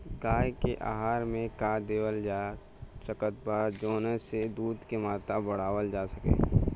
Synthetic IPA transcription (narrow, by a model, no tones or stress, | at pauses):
ɡaːjkeʔa̰ːɦaːɾmẽkad̪eːwəld͡ʒaː | t͡ʃəkət̪̚baːɾd͡ʒoːnəsed̪uːd̪kemaːt̪abɐɽ̤aːʋəld͡ʒaːsəkḛː